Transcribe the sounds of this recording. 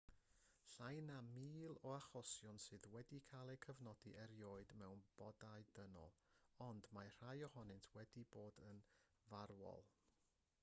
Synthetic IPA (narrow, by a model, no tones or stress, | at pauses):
ɬajnamiːlˠɔaχɔsjɔnsɨːðwɛdikʰalˠɛkʰəvnɔdiʔɛɾjoːɨdmɛwnb̥ɔdaɨdənɔ̰lˠɔndmar̥ajɔhɔnɨntʰwɛdiboːdən | varwɔ̰lˠ